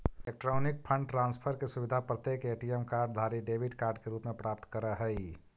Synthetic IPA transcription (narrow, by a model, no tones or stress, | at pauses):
ek̚ʈɾonik̚pʰəɳɖʈɾãnspʰəɾkesubid̪ʱapɾət̪jekeʈiemkaɾɖd̪ʱaɾiɖebʱiɖkaɾɖkeɾupmepɾap̚t̪kəɾəɦəj